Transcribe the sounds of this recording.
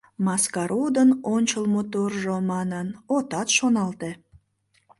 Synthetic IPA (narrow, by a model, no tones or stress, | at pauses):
mɑskɑɾʔud̪ənonʲt͡ɕəlmot̪orʒomɑnənot̪ɑt̪ʃonɑlt̪e